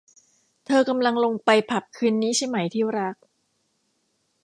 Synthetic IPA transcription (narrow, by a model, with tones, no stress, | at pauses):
t̪ʰɤː˧ka˧mla˧ŋlo˧ŋpa˧jpʰa˨˩p̚kʰɯː˧nːiː˦˥t͡ɕʰa˥˩jma˦˥jt̪ʰiː˥˩ɾa˦˥k̚